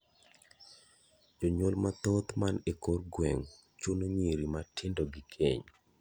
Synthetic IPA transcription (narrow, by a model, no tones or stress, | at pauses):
d͡ʒoɲwolmat̪ot̪manekorɡwɛŋ | t͡ʃunoɲiɾimatʰɪndoɡɪkʰḛɲ